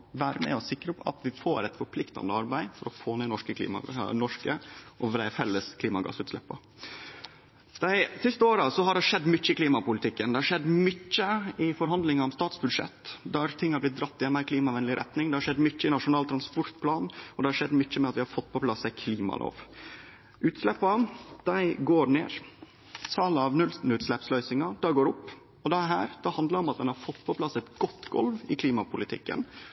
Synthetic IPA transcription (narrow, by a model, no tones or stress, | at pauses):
ʋæːɾəmɛ̰ɔsɪkːɾəɔpɑ̰t̪ʋɪfoːɾɛt̪fɔɾpʰlɪkt̪ɑ̰nəɑɾbæɪfɔɾɔfoːnɛnɔʂkəkʰlḭːmɑ̰nɔʂkəʔɔʋɾæfɛlːəskʰliːmɑɡɑ̰sːʉːt̪slɛ̰pːə | d̪̥æɪsɪst̪əoːɾɑsɔɦɑɖɛʂɛd̪ːmʏt͡ʃːəɪkliːmɑpʊlɪt̪ʰɪkːənd̪ɛhɑɾʂɛd̪ːmʏt͡ʃːəɪfɔɾɦɑnd̪lɪŋɑɾɔmst̪ɑːt̪sbʉd̪ʂɛ̰t̪ːd̪æɾt̪ʰɪŋːhɑɾblɪt̪̚d̪ɾɑpt̪ːɪjɛnmæɪkʰliːmɑʋɛnəlɪɾɛ̰t̪nɪŋd̪ɛhɑɾʂɛd̪ːmʏcːəɪnɑʂʊnɑːlt̪ʰɾɑnspɔɾt̪pʰlɑːnɔd̪ɛhɑɾʂɛd̪ːmʏt͡ʃːəmɛɑt̪ʋɪhɑɾfɔt̪ːpɔpʰlɑsːæɪkʰliːmɑ̰lʔo̰ːʋ | ʔʉːt̪slɛpːɑd̪̥æɪɡoːɾɳeːɾ | sʰɑːləɑʋnʉln̩ʉːt̪slɛpslœʏsɪŋɑd̪̥æɡoːɾʊpː | ɔd̪ɛɦæːɾd̪̥ɑhɑnd̪ləɾɔmɑt̪d̪ɛnhɑɾfɔt̪ːpʰɔpʰlɑsːɛt̪ɡɔt̪ːɡɔ̰lʋɪkʰliːmɑpʊlɪt̪ʰɪ̰kːə̰n